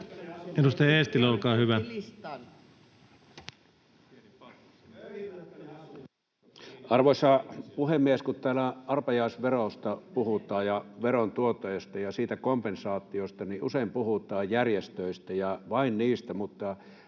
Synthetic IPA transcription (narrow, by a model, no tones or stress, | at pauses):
edust̪ɑjɑeˑːst̪iloukɑːhyʋæ | ɑrʋosɑpuhemːieskut̪t̪æːlæʔɑrpɑjɑˑisʋerost̪ɑpuhut̪ˑɑːjjɑʋeront̪uot̪ːɑjɑst̪ɑjɑsiːt̪ækompensɑːt̪ːˑiost̪ɑniʔuseimpuhut̪ˑɑːjjærjest̪øist̪æjɑʋɑinniːst̪æmut̪ːɑ